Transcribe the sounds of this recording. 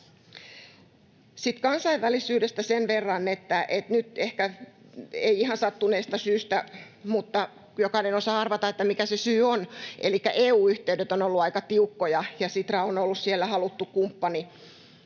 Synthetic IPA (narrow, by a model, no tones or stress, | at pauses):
sit̪kɑnsɑiʋːælisyːdest̪æsenʋerːɑnːet̪ːæʔet̪nyt̪ehkæ | eiihɑnsɑt̪ːuneːst̪ɑsyːst̪æ | mut̪ːɑ | jokɑnenosɑɑrʋɑt̪ɑet̪ːæmikæsesyːonʔḛlikːæʔeːuːyht̪eydet̪onolːuɑikɑt̪iukːojɑjɑsit̪ræonolːussielːæhɑlut̪ːukumpːɑni